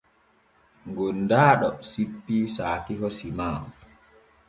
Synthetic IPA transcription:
ŋɡɔndaːɗɔsipːisaːkikɔsimaː

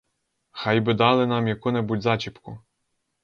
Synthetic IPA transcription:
xɑjbɪd̪ɑlˠɪnɑmjɐkʊnɛbutʲzɑt͡ʃʲipkʊ

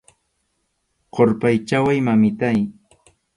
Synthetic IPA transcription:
qoɾpajt͡ʃawajmamɪt̪aj

